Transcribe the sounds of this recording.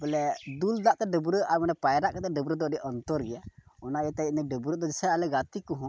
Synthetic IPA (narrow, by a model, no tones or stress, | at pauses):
bɛlɛd̪uld̪aʔt̪ɛɖəbɾəʔaɾmɛnɛpajɾaʔkɛt̪ɛɖəbɾəd̪ɔɖiʔɔnt̪ɔɾɡɛjaɔnaɛt̪ainɛɖəbɾəd̪ɔd͡ʒɛsɛalɛɡat̪ikɔɦũ